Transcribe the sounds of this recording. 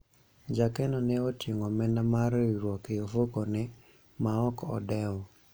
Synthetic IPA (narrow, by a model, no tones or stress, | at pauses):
d͡ʒakɛnɔnɛoteŋɔmɛnamaɾɾwɔkeofokonɛ | maɔkɔ̰dɛɔ